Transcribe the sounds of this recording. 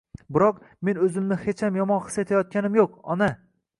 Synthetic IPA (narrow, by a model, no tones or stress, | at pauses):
bɪɾɒq | me̞nɵzɪmnɪhe̞t͡ʃʰamjɒmɒnχɨ̥set̪ʰajɒt̪̚kʲanɪmjoqɒ̰na